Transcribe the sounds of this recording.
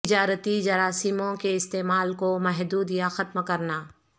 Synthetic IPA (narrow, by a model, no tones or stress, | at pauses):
d͡ʒaːɾət̪id͡ʒɐɾaːsimõkeɪst̪eːmaːlkomɛɦd̪uːd̪jaxɐt̪mkɐɾnaː